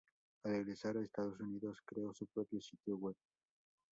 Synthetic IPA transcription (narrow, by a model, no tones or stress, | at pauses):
areɣɾesaɾaest̪aðos̬uniðoskɾeosupɾopjosit̪joweβ̚